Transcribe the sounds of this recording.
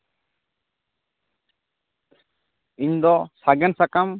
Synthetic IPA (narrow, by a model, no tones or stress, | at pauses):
iɲd̪ɔsaɡɛnsakam